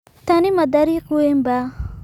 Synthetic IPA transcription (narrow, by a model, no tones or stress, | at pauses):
t̪animɐd̪aɾiquemba